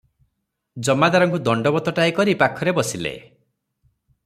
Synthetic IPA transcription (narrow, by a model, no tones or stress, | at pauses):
d͡ʒɔmad̪aɾɔŋkud̪ɔɳɖɔbɔt̪ɔʈaikɔɾipakʰːɔɾebɔsilḛ